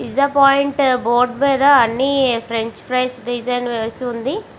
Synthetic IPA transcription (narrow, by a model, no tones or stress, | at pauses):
izd̪ɐpaːjiɳʈboːɾɖmeːd̪ɐːnːipʰɾeɲt͡ʃpʰɾɐːsɖid͡ʒɐjnʋeːsiund̪i